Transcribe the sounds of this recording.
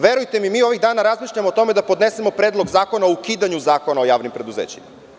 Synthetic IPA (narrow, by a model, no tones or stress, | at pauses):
ʋe̞ɾujt̪e̞mimiːo̞ʋiɣd̪aːnaɾazmiːʃʎamoːt̪o̞med̪apo̞d̪ne̞semo̞pɾe̞ːd̪lˠo̞ɡzaːko̞naoukiːd̪aɲuzaːko̞nao̞jaːʋnimpɾe̞d̪uzeːt͡ɕima